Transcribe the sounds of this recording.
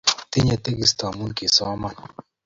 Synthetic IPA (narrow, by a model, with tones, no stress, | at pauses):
t̪e˦ɲe˨t̪e˦ɡi˦st̪ɔ˨a˨mu˦ke˨sɔ˦a˦ma˦˨n